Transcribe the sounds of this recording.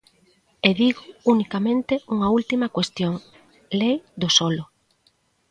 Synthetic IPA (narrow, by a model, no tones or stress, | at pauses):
eðiɣʊunikamẽnt̪ɪuŋɐult̪imɐkwest̪joŋ | lejd̪ʊsɔlʊ